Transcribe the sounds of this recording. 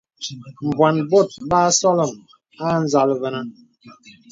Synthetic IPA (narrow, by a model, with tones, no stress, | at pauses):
m̩˨bwa˨nbo˦˨t̚baː˦sɔ˦lɔ˨m | a˦n̩˦za˨lvə˨na˦